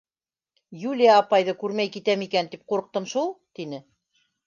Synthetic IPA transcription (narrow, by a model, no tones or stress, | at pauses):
julʲijaːpɑjðɤkʉɾmæjkit̪æmikænt̪ip̚quɾɤ̆q̚t̪ɤmʃulˠt̪inɘ